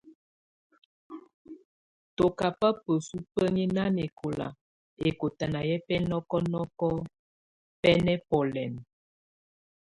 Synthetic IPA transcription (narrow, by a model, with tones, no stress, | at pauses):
to˨ka˨pə˦pə˨su˦pə˦ɲi˦na˦ne˨kʰo˨la̰˨ | e˨ko˨ta˨na˨jɛ˦pɛ˦nɔ˦kɔ˦nɔ˦kɔ˦ | pɛ˦nɛ˦pɔ˨lɛ˨n